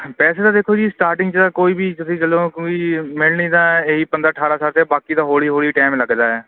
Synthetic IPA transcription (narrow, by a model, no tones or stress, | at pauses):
pɛːseːt̪aːd̪eːkʰoːd͡ʒiːsʈaːɾʈɪ̃ŋɡt͡ʃ̪ãːkoːiːbiːt̪ʊsĩːd͡ʒəlõːkiːmɪlnĩːt̪ãːeːiːpənd̪ɾaːəʈʰaːɾaːsaːɾt̪ɛːbaːkiːd̪ãːɦoːɽiːɦoːɽiːʈɛːmləɡd͡ʒ̪aːɛː